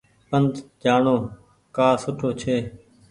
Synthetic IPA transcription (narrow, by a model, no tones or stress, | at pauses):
pənd̪d͡ʒaːɳoː | kaːsʊʈʰoːt͡ʃʰeː